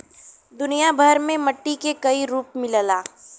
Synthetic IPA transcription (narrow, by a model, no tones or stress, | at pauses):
d̪ʊnijabʱəɾmẽmɐʈːikekɐiɾuːpmɪllaː